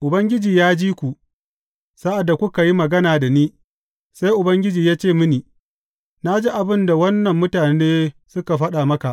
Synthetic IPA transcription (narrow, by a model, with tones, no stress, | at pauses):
ʔʊ˨bɐ˦ŋɡʲɪ˦d͡ʒiː˨jaː˦d͡ʒiː˦kʷu˨ʔ | sa˦ʔa˨dːa˨kʷʊ˦ka˨ji˦mɐ˨ɡɐ˦naː˨da˨niː˦ | sa˦jʔʊ˨bɐ˦ŋɡʲɪ˦d͡ʒiː˨jaː˦t͡ʃeː˦˨mɪ˦niː˨ | na˦d͡ʒi˦ʔa˨bɪ˦nda˨wɐ˦nːɐ˨mːʊ˦taː˨˦eː˦sʊ˦ka˨ɸɐ˦ɗa˨mɐ˦ka˨ʔ